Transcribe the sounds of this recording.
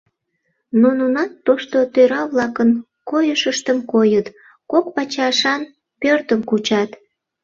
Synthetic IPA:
nununɑt̪ːoʃt̪ot̪øɾɑβlɑkən | kojəʃəʃt̪əmkojət̪ | kok̚pɑt͡ɕɑʃɑn | pørt̪əmkut͡ɕɑt̪

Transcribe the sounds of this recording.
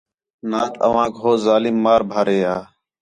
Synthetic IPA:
naːt̪ʰə̰ʋãːkɦoːzaːlimːaːɾbʱəɾeːaː

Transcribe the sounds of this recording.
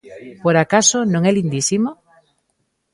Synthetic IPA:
poɾakasonõŋɛlind̪isimo

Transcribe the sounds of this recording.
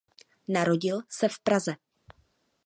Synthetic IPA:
naɾo̞ɟɪlsɛfpɾazɛ

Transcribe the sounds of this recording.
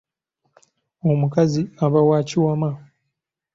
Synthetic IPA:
o̞mukaziaβawaːciwama

